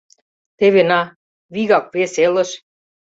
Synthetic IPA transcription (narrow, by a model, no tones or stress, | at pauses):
t̪eβenɑ | βiɣɑk̚βeselə̆ʃ